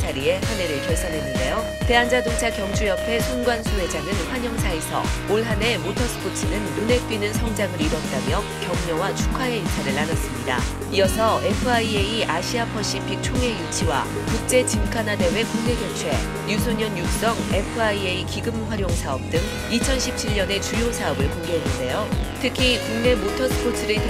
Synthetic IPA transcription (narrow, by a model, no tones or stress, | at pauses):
t͡ɕaɾie̞hane̞ɾɯɭkjʌɭsʰʌnɦe̞nːɯnde̞jo | te̞ɦand͡ʑadoŋt͡ɕʰakjʌŋt͡ɕʰujʌpʰe̞sʰoŋɡwansʰoɦe̞d͡ʑaŋɯnɸwaɲʌŋsʰaesʰʌ̰oɭɦane̞motʰʌsʰɯ̥pʰot͡ɕʰinɯnːune̞t͈winɯnsʰʌŋd͡ʑaŋɯɾiɾʌt̚t͈amjʌ | kjʌŋɲʌwat͡ɕʰu̥kʰae̞it͡ɕʰaɾɯɭanʌs͈ɯmɲida̰ | ijʌsʰʌe̞pʰɯaieiʔaɕʰiapʰʌɕ͈ipʰik̚t͡ɕʰoŋe̞jut͡ɕʰiwa̰ | kuk̚t͡ɕ͈e̞t͡ɕimkʰanade̞we̞kuŋne̞ɡot͡ɕʰwe̞̰ | jusʰoɲʌnjuk̚s͈ʌŋe̞pʰɯaieikiɡɯmɸwaɾjoŋsʰaʌp̚t͈ɯŋ | it͡ɕʰʌnɕʰip̚t͡ɕʰiʎːʌne̞t͡ɕujosʰaʌbɯɭkoŋɡeɦenːɯnde̞jotʰɯkʰikuŋne̞motʰʌsʰɯ̥pʰotʰɯɾɯ